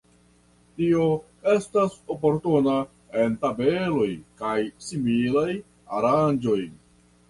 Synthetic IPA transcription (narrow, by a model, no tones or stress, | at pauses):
tio̞ | e̞staso̞po̞ɾtuna | e̞ntabe̞lo̞jkajsimilaj | a̰ɾand͡ʒo̞j